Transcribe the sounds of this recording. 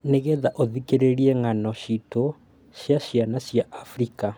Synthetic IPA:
neɣeðaʔoðikeɾeɾiɛŋanɔɕito | ɕjaɕianaɕjaʔːfɾika

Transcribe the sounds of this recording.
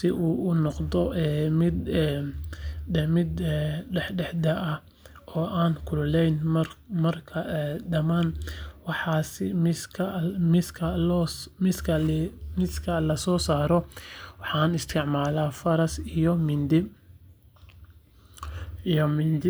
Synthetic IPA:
sɪʔuːʔʊnɔqd̪ɔʔɛːmɪd̪ɛ | mɪd̪ɛħɖɛħd̪ɐʔɐ | ʔɔːʔaːŋkʰʊllɛjnmɐrkʰɐɛd̪ɐmaːnwɑħɑːsɪmɪskʰɐmɪkʰɐlɔmɪskʰɐlmɪskʰɐlɐsɔːsaːɾɔwɑħɑːnɪst̪ʰɪʕmaːlaːfɐɾɐsjmɪnd̪ɪ | jmɪnd̪ɪ

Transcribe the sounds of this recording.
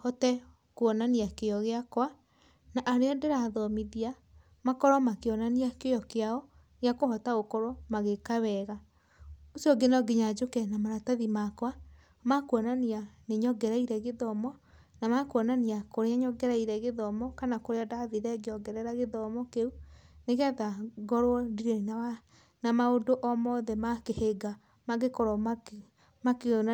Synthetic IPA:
hɔtɛ | kuɔnaniakeɔɣeakwa | naʔaɾeadeɾaðɔmiðia | makɔɾɔmakeɔnaniakejɔkeaɔ | ɣeakoɦɔtaɣokoɾomaɣekaβɛɣa | osjɔɡenɔɡeɲad͡ʒokɛnamaɾataðimakwa | makwɔnanianeɲɔɡɛɾaiɾɛɣeðɔmɔ | namakwɔnaneakoɾeaɲɔɡɛɾaiɾɛɣeðɔmɔkanakoɾeɔdaðiɾɛɡeɔɡɛɾɛɾaɣeðɔmɔkeuneɣɛðaɡɔɾwɔdiɾena | namaodoʔɔmɔðɛmakeheɡa | maɣekɔɾɔ | make

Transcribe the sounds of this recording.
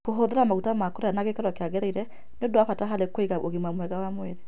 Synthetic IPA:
koɦoðeɾamaɣutamakoɾeanaɣekaɾwakeaɣɛɾaiɾɛ | neondoaɸataɦalekweɣaoɣimwamwɛɣawamweɾe

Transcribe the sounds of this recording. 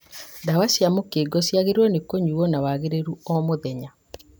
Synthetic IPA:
dawasjamokeɡɔsjaɣeɾwɔnekoɲuɔnawaɣeɾeɾuɔmoðɛɲa

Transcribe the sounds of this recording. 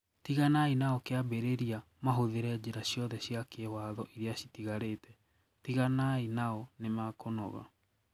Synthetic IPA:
tiɣanainaɔkeabeɾeɾia | maɦoðeɾɛd͡ʑeɾaɕjɔðɛɕiakewaðɔʔiɾeaɕitiɣaɾetʰɛ | tiɣanainaɔnemakonɔ̰ɣa̰

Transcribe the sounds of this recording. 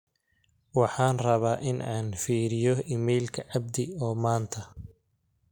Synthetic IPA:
wɑħɑːnrɐβaːʔɪnʔaːnfiːɾɪjɔɪmɛjlkʰɐʕɑb̚d̪ɪɔːmaːnt̪ʰɐ

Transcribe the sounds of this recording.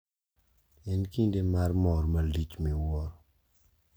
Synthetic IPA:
ɛnkindemarmɔɾmalit͡ʃmiwɔ

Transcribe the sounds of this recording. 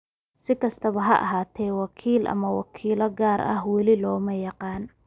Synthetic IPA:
sɪkʰɐst̪ʰɐβɐɦɐʔɑ̰ɦaːt̪ʰɛːwɑkʰiːlʔɐ̰mɐwɑ̰kʰiːlɐɡaːɾʔɐ̰hwɑlɪlɔːmɐjɑqɑːn

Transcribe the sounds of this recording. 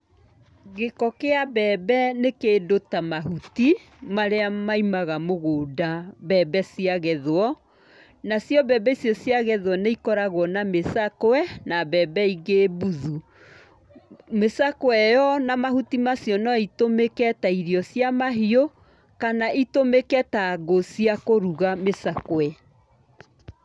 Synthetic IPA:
ɣekɔkeabɛːbɛnekeːdotamaɦuti | maɾeamaimaɣamoɣoːdabɛbɛsiaɣɛðoɔ | nasjɔbɛːbɛisjɔsiaɣɛðwɔneikɔɾaɣwɔnamesakowɛnabɛbɛiɣebuðu | mesakoɛjɔnamahutimasjɔnɔitomekɛtaiɾiɔsiamaɦio | kanaʔitomekɛtaɣosiakoɾuɣamesakoɛ

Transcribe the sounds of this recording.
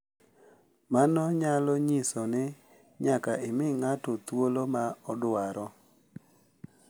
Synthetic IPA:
manɔɲalɔɲisɔnɪ | ɲakaʔɪmɪŋatɔt̪wolomaɔdʊaɾɔ

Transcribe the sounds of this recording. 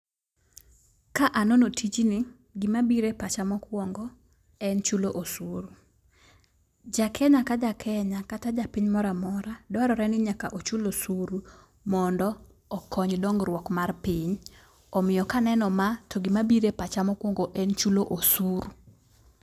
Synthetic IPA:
kaʔanonotʰit͡ʃnɪ | ɡɪmabiɾepat͡ʃamɔkwɔŋɡɔ | ɛnt͡ʃuloʔosuɾu | d͡ʒakʰɛɲakad͡ʒakʰɛɲakatad͡ʒapɪɲmɔɾamɔɾadɔaɾɔɾɛnɪɲakaʔot͡ʃulosuɾu | mɔndɔ | ɔkʰɔɲdɔŋɡɾwɔkmarpɪɲ | ɔmɪjɔkanɛnɔmatʰɔɡɪmabiɾepat͡ʃamɔkwɔŋɡoʔɛnt͡ʃuloʔosuɾu

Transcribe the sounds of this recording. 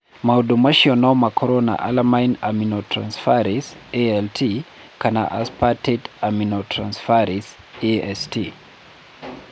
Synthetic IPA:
maodomaʃiɔnɔmakʰɔɾɔna̰ʔa̰lamajnaminotɾansfaɾiseɛltʰi | kana̰ʔa̰spatetaminotʰɾansfaɾis | eɛsti

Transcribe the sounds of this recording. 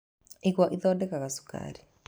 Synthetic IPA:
ikwaʔiðɔdɛkakasu̥ka̰ːɾi

